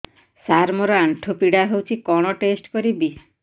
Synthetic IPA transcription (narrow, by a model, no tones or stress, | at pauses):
saɾmɔɾɔaɳʈʰopiɽaɦewt͡ʃʰikɔɽ̃ɔʈesʈkɔɾibi